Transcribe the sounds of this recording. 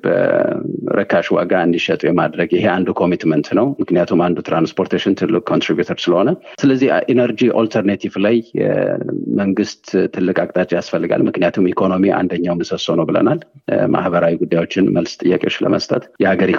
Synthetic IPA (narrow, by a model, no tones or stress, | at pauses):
b̥ə̰ | ɾʔəkʰːaʃwa̰ɡaɨnd̪iʃɛt̪ʼujɛmad̪ɾəɡɪɦe̞and̪ukʰo̞mit̪mənt̪nəwmɨknijat̪ʰumand̪ut̪ʰɾanspʰo̞ɾt̪ʰeʃɪnt̪ʰɨlːukʼkʰːo̞nt̪ɾibjut̪ʰoɾsɨləho̞nəsɨləzːihʔenəɾd͡ʒiʔolt̪ʰəɾnet̪ʰivlaj | məŋɡɨst̪t̪ʰːɨlːɨkʼakʼt̪ʼat͡ʃʼijasfəlːɨɡa̰lmɨknijat̪ʰumikʰo̞no̞miʔa̰nd̪əɲːawmnɨsəsonəwbɨlə̰nalmʔa̰hbəɾawiɡud̪ːajwo̞t͡ʃːɪnməlst̪ʼɨjːakʼeot͡ʃːlə̰məst̪ʼət̪jɛhaɡəɾi